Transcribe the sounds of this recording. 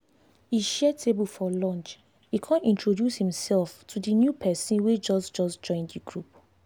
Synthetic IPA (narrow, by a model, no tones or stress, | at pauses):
iʃɛtʰebulfɔlɔ̃nt͡ʃ | hikʰãnĩntɹodjushĩmsɛlftʰudinjupʰɛsĩnwed͡ʒɔsd͡ʒɔsd͡ʒɔ̃ɪ̃ndiɡɹup